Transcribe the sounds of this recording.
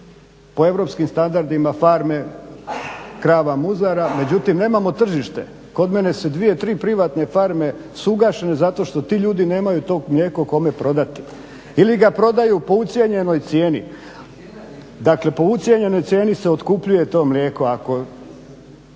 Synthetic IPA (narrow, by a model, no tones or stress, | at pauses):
poe̞ʋɾo̞ːpskimst̪and̪aɾd̪imafaɾme̞ | kɾaːʋamuzaɾame̞d͡ʑut̪imne̞ːmamo̞t̪r̩ʒiʃt̪e̞̰ | ko̞d̪me̞ne̞sud̪ʋije̞t̪ɾiːpɾiʋat̪ne̞faɾme̞ | suɡaːʃe̞ne̞zat̪o̞ʃt̪o̞t̪iːʎuːd̪ine̞ːmajut̪o̞ːɡmlʲje̞ːkoko̞me̞pɾo̞d̪at̪i̥ | iliɡapɾo̞d̪ajupo̞ut̪sʲjeɲe̞no̞jt̪sje̞ːnḭ | d̪akle̞po̞ut̪sje̞ɲe̞no̞jt̪sʲjeːnise̞ot̪kupʎuje̞t̪o̞ːmlʲeːko̞ako̞